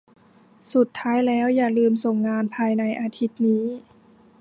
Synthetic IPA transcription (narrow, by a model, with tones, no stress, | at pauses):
su˨˩t̪ʰːaː˦˥jlɛː˦˥wjaː˨˩lɯː˧mso˨˩˦ŋːaː˧npʰaː˧jna˧jʔaː˧t̪ʰi˦˥t̪̚niː˦˥